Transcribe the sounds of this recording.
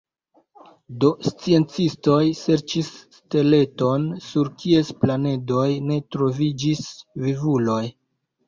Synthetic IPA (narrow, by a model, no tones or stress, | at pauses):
do̞st͡sie̞nt͡sisto̞jse̞ɾt͡ʃisːte̞le̞to̞nsuɾkʰie̞splane̞do̞jne̞tɾo̞vid͡ʒisvivulo̞j